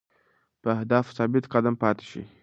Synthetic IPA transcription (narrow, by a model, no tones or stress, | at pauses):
pəahd̪ɑfsɑbɪt̪qad̪ampɑt̪ɪ̥ʃḭ